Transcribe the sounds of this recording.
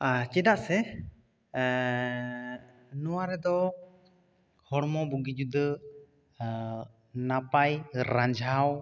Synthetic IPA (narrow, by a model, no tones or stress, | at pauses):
t͡ʃɛdaʔsɛ | nɔwaɾɛd̪ɔ | hɔɽmɔbuɡid͡ʒud̪ə | napajɾaɲd͡ʒʱaw